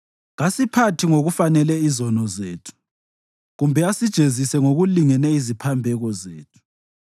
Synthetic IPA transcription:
ɣasipʰatʰiŋoɣufanɛlɛizɔnɔzeːtʰu̥ | ɣumbʱɛasid̥ʒ̥ʱezisɛŋoɣuliŋɛnɛizipʰambʱɛɣɔzeːtʰu̥

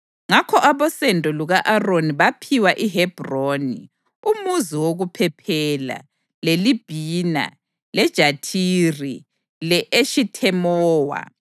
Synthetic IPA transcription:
ŋakʰɔʔaβɔsɛndʱʼɔluɣaʔaroniβapʰiwaʔiɦɛb̥ʱroːnḭ | umuziwoɣupʰɛpʰɛla̰ | lelib̥ʱina̰ | lɛd̥ʒ̥ʱatʰiri | lɛʔeʃitʰɛmɔːwa̰

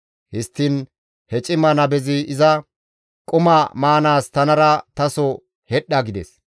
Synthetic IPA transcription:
hɪst̪ːɪn | hɛt͡ʃʼɪmɐnɐbɛzɪɪzɐ | kʼʊmɐmaːnaːst̪ɐnɐɾɐt̪ɐsɔ | hɛɗːɐɡɪd̪ɛs

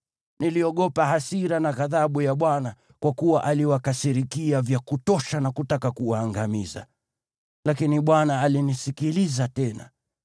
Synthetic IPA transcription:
niliɔɠɔpaɦasiɾanaɣaðaɓujaɓwana | kwakuwaʔaliwakasiɾikiavjakutɔʃanakutakakuwaːŋɡamiza̰ | lakiniɓwanaːlinisikilizatɛna̰

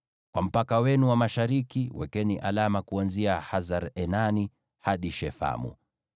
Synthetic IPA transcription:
kwam̩pakawɛnuwamaʃaɾikiwɛ̰kɛniʔalamakuanziahazaɾɛnani | haɗiʃɛfa̰mṵ

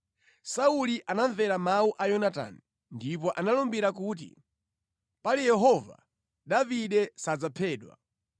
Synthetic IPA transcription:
sauliʔanaɱvɛɾamawuʔajɔnata̰ni | ndip̬ɔʔanalɔmbiɾak̬uːt̬ḭ | palijɛɦɔva̰ | ɗaviɗɛsad͡zapʰɛːɗwa̰

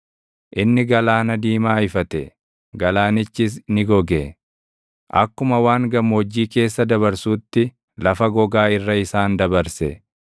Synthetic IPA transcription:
ʔɪnːɪɡɐlaːnɐd̪iːmaːɪfɐt̪ɛ | ɡɐlaːnɪt͡ʃːɪs̬nɪɡɔɡe | ʔɐ̰kːʊmɐwaːŋɡɐmːɔːd͡ʒːiːke̞ːsːɐd̪ɐβɐɾsuːt̪ːɪ | lɐfɐɡɔɡaːɪrːɐɪsaːnd̪ɐbɐɾsɛ

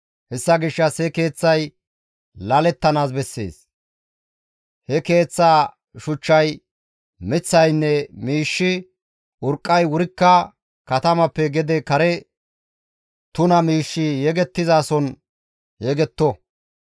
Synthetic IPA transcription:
hɛsːɐɡɪʃːɐshɛke̞ːt͡sːɐj | lɐlɛt̪ːɐnaːs̬bɛsːe̞̰ːs | hɛke̞ːt͡sːaː | ʃʊt͡ʃːɐj | mɪt͡sːɐjnːɛmiːʃːɪ | ʊɾkʼːɐjwʊɾɪkːɐ | kɐt̪ɐmɐpːɛɡɛd̪ɛkɐɾɛ | t̪ʊnɐmiːʃːɪjɛɡɛt̪ːɪzaːsɔn | jɛɡɛt̪ːɔ

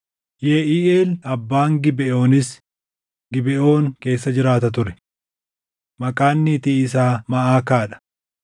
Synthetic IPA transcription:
jeʔiːʔeːlɐbːaːŋɡɪbɛʔo̞ːnɪs | ɡɪbɛʔo̞ːŋke̞ːsːɐd͡ʒɪɾaːt̪ɐt̪̬ʊɾɛ̥ | mɐkʼaːnːɪːt̪iɪsaːmɐʔaːkaːᶑɐ̥

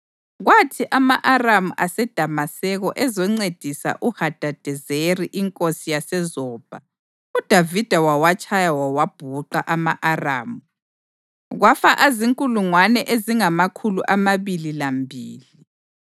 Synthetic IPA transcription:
ɣwatʰiʔamaʔaramuʔasɛd̥ʱamasɛɣɔʔɛzɔŋ͡ǀed̥ʱisa̰ʔuhad̥ʱad̥ʱɛzeriʔiŋkʼosijasɛzɔːb̥ʱa | ud̥ʱavid̥ʱawawat͡ʃʰʼajawawab̥ʱuǃaʔamaʔara̰ːmu | ɣwafaʔaziŋkʼuluŋwanɛʔeziŋamakʰuluʔamaβililambʱiːli

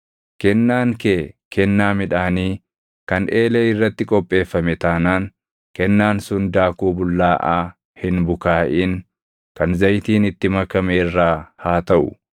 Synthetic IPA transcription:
kɛnːaːŋkeːkʰɛnːaːmɪᶑaːniː | kɐnʔeːleːɪrːɐt̪ːɪkʼɔpʼːe̞ːfːɐmɛt̪aːnaːŋ | kɛnːaːnsʊnd̪aːkuːbʊlːaːʔaː | hɪnbʊkaːʔiːŋ | kɐnzɐjt̪iːnɪt̪ːɪmɐkɐmeːrːaːhaːt̪ɐʔʊ̰

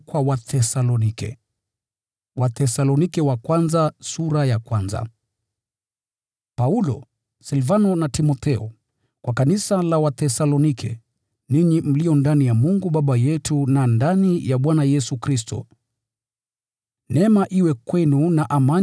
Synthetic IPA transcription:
kwawaθɛsalɔnikɛ̰ | watɛsalɔnikɛwakwanzasuɾajakwanza̰ | paulɔ̰ | sɛlvanɔnatimɔt̪ɛɔ | kwʔakanisalawaθɛsalɔnikʰɛ̰ | niɲim̩liɔndanijamuŋɡuɓaɓajɛtunandanijaɓwanajɛsukɾis̬tɔ̰ | nɛmaʔiwɛkwɛnunaʔama

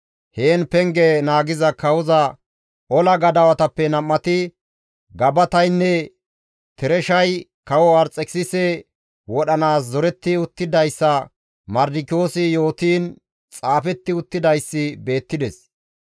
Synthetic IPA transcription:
heːnpɛŋɡɛnaːɡɪzɐkɐwɔzɐ | ʔɔlɐɡɐd̪ɐwɐt̪ɐpːɛnɐmːɐt̪ɪ | ɡɐbɐt̪ɐjnːɛ | t̪ɛɾɛʃɐjkɐwɔɐɾt͡sʼɛksɪsɛ | wɔɗɐnaːszɔɾɛt̪ːɪʊt̪ːɪd̪ɐjsːɐ | mɐɾd̪ɪkɪo̞ːsɪjo̞ːt̪iːn | t͡sʼaːfɛt̪ːɪʊt̪ːɪd̪ɐjsːɪbe̞ːt̪ːɪd̪ɛs

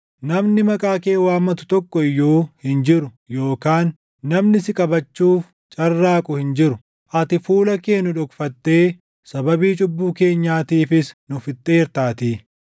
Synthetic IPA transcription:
nɐmnɪmɐkʼaːke̞ːwaːmːɐt̪ʊ̥t̪ɔkːɔɪjːoːhɪnd͡ʒɪɾʊ | jo̞ːkaːnː | ɐmnɪsɪkʼɐbɐt͡ʃːuːf | t͡ʃʼɐrːaːkʼʊhɪnd͡ʒɪɾʊ | ʔɐt̪ɪfuːlɐke̞ːnːʊᶑʊkfɐt̪ːe̞ː | sɐbɐbiːt͡ʃʼʊbːuːke̞ːɲːaːt̪iːfɪsnʊfɪt̪ʼːeːɾt̪aːt̪iː

